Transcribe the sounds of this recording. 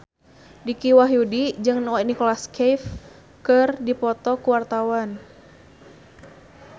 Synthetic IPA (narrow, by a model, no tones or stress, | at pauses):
dikiwaɦjudid͡ʒɨŋnanikɔlaskef | kɨrdipɔt̪ɔkuwart̪awan